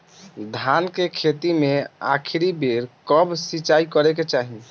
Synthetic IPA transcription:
d̪ʱankekʰet̪imea̰kʰiɾibeɾkəbsit͡ʃaikəɾeket͡ʃaɦi

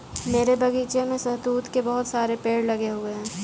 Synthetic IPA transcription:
meːɾebɐɡiːt͡ʃemẽsɐɦt̪uːt̪kebɐɦʊt̪saːɾepeːɽlɐɡeɦoɡɐɛ̃ː

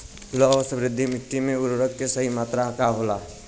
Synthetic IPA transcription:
losəbɾɪd̪ʱːimɪʈːimeʊɾoɾəkːesəɦimaːt̪ɾaɦkaɦola

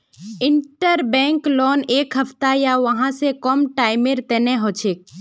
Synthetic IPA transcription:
ɪɳʈəɾbɛ̃ːŋklɔːneːkɦəpʰt̪ajaʋəɦãsekɔmʈaːɪmeɾt̪ɛneɦoːt͡ʃʰeːk̚

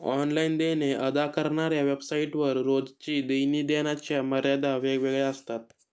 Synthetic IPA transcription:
ɔ̰nlaind̪eneʔəd̪akəɾɳaɾjaʋebsaiʈʋəɾːod͡zt͡ɕiːd̪əjniːd̪enat͡ɕjaməɾjad̪aʋeɡʋeɡɭjaəst̪at̪̚

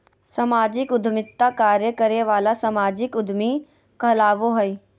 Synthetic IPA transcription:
sɐmaːd͡ʒɪkʊd̪ʱmɪt̪ːakaːɾjəkəɾeʋaːlasɐmaːd͡ʒɪkʊd̪ʱmi | kəlaːʋoɦəi

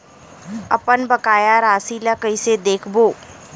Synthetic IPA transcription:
ɐpənbɐkaːjaɾaːsiːlakəɪsed̪eːkʰboː

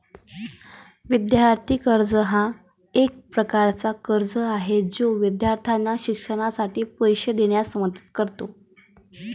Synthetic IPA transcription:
ʋid̪jaɾt̪ʰikəɾd͡zəɦã | ek̚pɾəkaɾt͡sakəɾd͡zəaɦed͡zoʋid̪jaɾt̪ʰanːaɕikʂəɽ̃asaʈiːpəjɕed̪eɽ̃jasəməd̪ə̥t̪kəɾt̪o

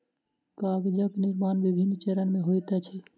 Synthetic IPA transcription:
kaɡd͡ʒəkniɾmaːnʋibʱinːt͡ʃeɾənmẽɦojt̪ɛt͡ʃʰɛ

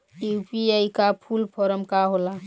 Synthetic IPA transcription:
jupiajkapʰulpʰɔɾəmkaɦola

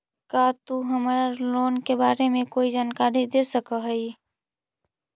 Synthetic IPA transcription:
kat̪uɦəmaɾaloːnkebaːɾemẽkoːid͡ʒaːnkaːɾid̪esəkəɦəi

